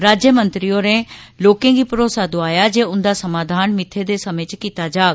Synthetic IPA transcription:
ɾaːd͡ʒjəmə̃nt̪ɾijõːne | loːkẽːɡiːpəɾoːsaːd̪oaːjaːd͡ʒeːʊnd̪aːsəmaːd̪ʱaːnmɪt̪ʰːed̪eːsəmẽːt͡ʃkiːt̪ad͡ʒaːɡ

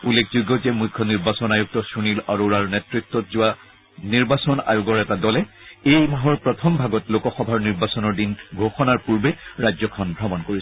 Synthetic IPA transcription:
ulːekʰzuɡɔzɛmujkʰːɔniɹbasɔnajuk̚tɔsunilaɹuɹaɹnɛtɹik̚tːɔtzʊwa | niɹbasɔna̰jʊɡɔɹɛtadɔlɛ | ejmaɦɔɹpɹɔtʰɔmbʱaɡɔtlokɔxɔbʱaɹniɹbasɔnɔɹdinɡʱoxɔnaɹpuɹbɛɹajzɔkʰɔnbʱɹɔmɔnkoɹis

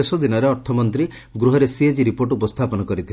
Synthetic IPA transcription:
esɔd̪inɔɾeɔɾt̪ʰɔmɔnt̪ɾi | ɡɾuɦɔɾesied͡ʒiɾipoɾʈupɔst̪ʰapɔnɔkɔɾit̪ʰil

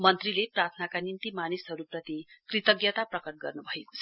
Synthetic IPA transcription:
mʌnt̪rileprat̪ʰnakanint̪imanisɦʌɾuprʌt̪ikrit̪ʌɡjʌt̪aprʌkʌʈ̚ɡʌrnubʱʌeko̥t͡sʰʌ

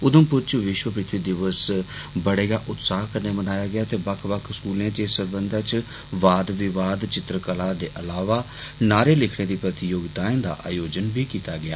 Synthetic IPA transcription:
ʊd̪ə̃mpʊɾt͡ʃʋɪʃwəpɾɪt̪ʰʋiːd̪ɪʋəsbəɽeːɡaːʔʊt̪saːɦkəɾneːbənaːjaːɡɪjaːt̪eːbəkʰʋəkʰskuːlẽːt͡ʃeːsəɾbənd̪at͡ʃ | ʋaːd̪ʋɪʋaːd̪t͡ʃɪt̪ɾəkəlaːd̪eːʔəlaːʋaː | naːɾeːlɪkʰɽeːd̪iːpɾət̪ɪjoːɡd̪aːẽːd̪a̰ːʔa̰ːjoːd͡ʒənbʱiːkiːt̪aːɡɪa̰ː

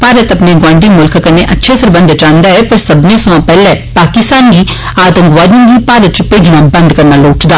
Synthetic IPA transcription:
paːɾət̪ɐpneːɡãːɳɖiːmʊlkʰkəneːʔətːʃʰeːsəɾbə̃nd̪t͡ʃãːnd̪aːɛːpəɾsɐbnẽːsʊʋãːpɛːlɛːpaːkɪst̪aːnɡiː | aːd̪əmɡʋaːd̪ĩːɡiːpaːɾət̪̚t͡ʃpeːd͡ʒnãːbə̃nd̪kəɾnaːloːʈd̪aː

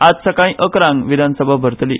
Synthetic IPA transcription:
at̪səkaĩʔəkɾãŋɡʋid̪ʱanəsəbʱabʱəɾt̪li

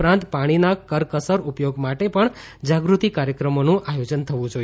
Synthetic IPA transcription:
pɾãnt̪paɽ̃inakəɾkəsəɾupjoɡmaʈepəɳ | d͡ʒaɡɾut̪ikaɾjəkɾəmonũʔajod͡ʒənt̪ʰəʋũd͡ʒoi

